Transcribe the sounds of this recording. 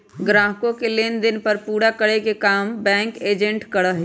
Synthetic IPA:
ɡɾaːɦkõkeleːnd̪ɪnpəɾpuːɽakəɽekekaːmbɛ̃ːŋkeːd͡ʒẽɳʈkəɽəɦ

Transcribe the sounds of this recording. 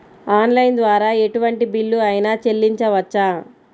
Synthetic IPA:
aːnlɐjnd̪ʋaːɾaːe̞ʈuʋɐɳʈibilːuɐjnɐt͡ʃe̞lːiɲt͡ʃɐʋɐt͡ʃːaː

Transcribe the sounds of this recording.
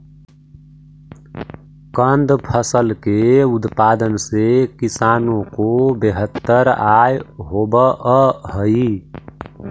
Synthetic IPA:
kənd̪pʰəsəlkeʊt̪paːd̪ənsekisaːnõkobeɦət̪ːəɾajɦobəəɦəi

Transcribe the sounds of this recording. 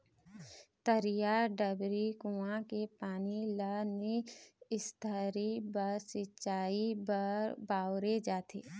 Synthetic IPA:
t̪əɾijaɖəbɾikuãkepaːnilaniɪst̪ʰəɾibəɾsɪʃaːibəɾbaːwɾed͡ʒaːt̪ʰeː

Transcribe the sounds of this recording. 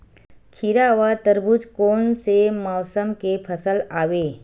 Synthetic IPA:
kʰiɾaːʋat̪əɾbʱʊd͡ʒkoːnsemɔːsəmkepʰɐsəlaːʋeː

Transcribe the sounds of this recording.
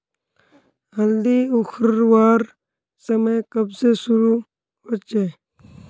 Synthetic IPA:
ɦəld̪iʊxʰɾəɾʋaːɾ | səməjkəbsesʊɾu | ɦot͡ʃeː

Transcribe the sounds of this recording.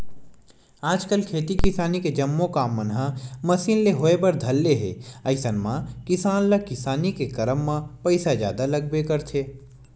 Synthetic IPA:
aːd͡ʒkəlkʰeːt̪ikɪsaːniked͡ʒɐmːõkaːmːənɦamɐsiːnleɦoːebɐɾd̪ʱɐlːeɦḛːɐɪsənmãkɪsaːnlakɪsaːnikekɐɾəmːãpɐɪsad͡ʒja̰ːd̪alɐɡ̚bekəɾt̪ʰeː

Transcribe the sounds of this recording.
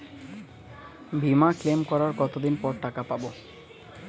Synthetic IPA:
bʱimaklemkɔɾaɾkɔt̪od̪inpɔɾʈakapabo

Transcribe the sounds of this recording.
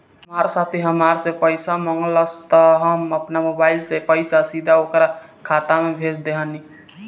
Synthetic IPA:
ɦmaɾsat̪ʰeɦəmaɾsepəɪsamɔŋɡləst̪ɔɦəməpnamobaɪlsepəjsasid̪ʱaokɾakʰat̪amebʱed͡ʒʰd̪eɦəni

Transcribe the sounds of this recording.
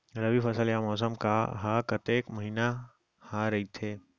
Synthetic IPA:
ɐləbifɐsəljamɔːsəmkaɦakɐt̪eːkmɐɦiːna | haːɾɐɦit̪ʰeː

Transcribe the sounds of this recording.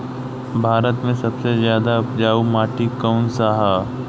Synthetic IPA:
bʱaːɾət̪mẽsɐbsezjaːd̪aʊpd͡ʒaːumaːʈikəʊnsaɦa

